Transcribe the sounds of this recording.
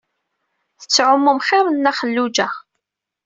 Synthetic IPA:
θə̥t͡sːʕʊmːumχɪɾˤənːæχəlːud͡ʒæ

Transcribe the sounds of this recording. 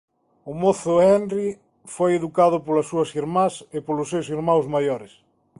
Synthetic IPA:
ʊmoθʊɛnri | fojeðukaðʊpolɐsːuɐsiɾmasɪpolʊsːewsiɾmawzmajɔɾɪs

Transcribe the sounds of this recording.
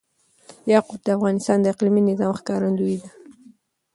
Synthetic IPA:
jɑqʊb̚d̪əafɣɑnɪst̪ɑnd̪əɪqliminɪzɑmxkɑɾand̪uid̪a

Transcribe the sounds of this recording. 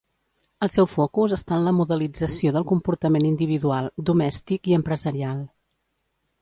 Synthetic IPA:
əlˠsɛwfɔkuzəst̪aənləmuðəlid͡zəsioðəlˠkumpuɾt̪əmenind̪iβ̞iðualˠd̪umɛst̪ikiəmpɾəzəɾialˠ

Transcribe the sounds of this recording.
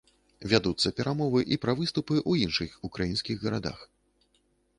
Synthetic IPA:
vʲad̪ut̪sːɐpʲɛɾʔamɔvɨʔipɾɐvɨst̪upɨʔuinʂɨxukɾajinskʲiɣɣɐɾad̪a̰x

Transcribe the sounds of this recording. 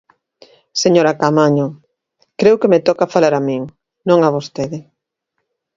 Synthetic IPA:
seɲoɾakamaɲo | kɾewkemet̪ɔkafalaɾamiŋ | nõŋaβost̪eðɪ

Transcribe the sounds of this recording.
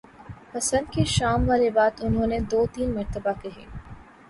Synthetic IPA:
pɐsə̃nd̪keʃaːmʋaːlebaːt̪ʊnɦõːned̪oːt̪iːnmɐɾt̪əbakɐɦḛː

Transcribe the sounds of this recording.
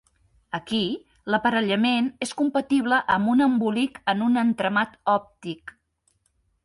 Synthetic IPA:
əki | ləpəɾəʎəmeneskumpət̪iβ̞ləʔəmbunəmbulikənunənt̪ɾəmat̪ɔp̚t̪ik

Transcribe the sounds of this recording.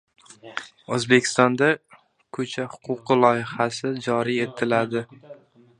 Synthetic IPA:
ozbe̞kʲʰɪ̥st̪ɒnd̪a | kʰɵt͡ʃʰahʊqʰʊqɨlˠɒjɪhasɪd͡ʒɒɾie̞t̪ʰɪlad̪ɪ

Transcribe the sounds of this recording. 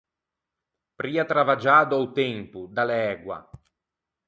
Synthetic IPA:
pɾiːat̪ɾavad͡ʒaːd̪oawt̪ɛmpud̪alɛːɡwa̰

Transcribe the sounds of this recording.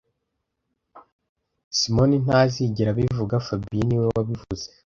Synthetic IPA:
simo̞nin̥aziɟiɾaβivuɡafabiniwewaβivuze̥

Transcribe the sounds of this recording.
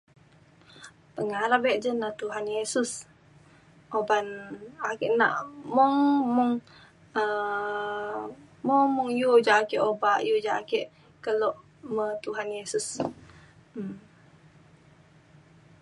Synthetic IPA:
pəŋaɾabɛʔd͡ʒənat̪uɦanjesus | ʔobanakeʔna̰ʔmuŋmuŋ | ə | muŋmuŋjud͡ʒaʔakeʔobaʔjud͡ʒaʔakeʔ | kəlɔʔ | mət̪uɦanjesus

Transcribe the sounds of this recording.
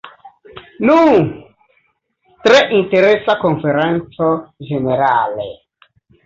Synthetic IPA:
nuŋ | tɾeʔinteɾesakoɱfeɾɛnt͡sod͡ʒeneɾalḛ

